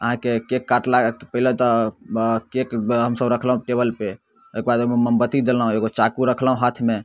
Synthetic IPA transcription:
əɦãkekekːaʈlakpəɦilet̪ɔ | kekɦəmsəbɾəkʰlaɦũʈebəlpe | ekebad̪meməmbət̪id̪elaɦũeɡot͡ʃakuɾəkʰlaɦũɦat̪ʰme

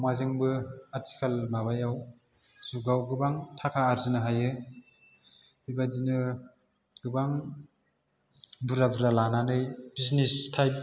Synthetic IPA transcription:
mazɯŋbɯatʰi̥kʰalmaβajaw | z̥uɡawɡɯbaŋtʰakʰaːɾzɯnɯɦajɯ | hibadinɯ | ɡ̥ɯbaŋ | bɯɾabɯɾalananɯjbisnistʰajp̚

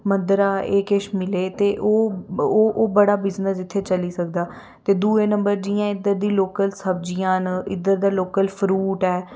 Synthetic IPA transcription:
mənd̪ɾaːeːkɪʃmɪleːt̪eːʔoː | ʔoːbəɽaːbɪznəsɪt̪ʰːeːt͡ʃəliːsək̚d̪aː | t̪eːd̪uːeːnəmbəɾd͡ʒiːjãːɪd̪əɾd̪iːloːkəlsəbd͡ʒijãːnɪd̪əɾd̪aːloːkəlpʰɾuːʈɛː

